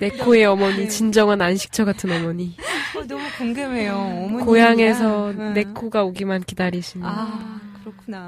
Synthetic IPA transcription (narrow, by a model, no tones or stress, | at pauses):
ne̞kʰoe̞ʌmʌɲit͡ɕind͡ʑʌŋananɕʰi̥k̚t͡ɕʰʌɡatʰɯnʌmʌɲi | mukoŋɡemeokojaŋe̞s̬ʰʌne̞kʰoɡaoɡimankidaɾiɕʰimkɾkʰ